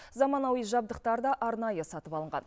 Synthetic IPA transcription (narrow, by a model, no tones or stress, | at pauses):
zɑmɑnɑwiʒɑb̚d̪əq̚t̪ɑɾd̪ɑʔɑɾnɑjəsɑt̪əpɑlˠəɴʁɑ̰n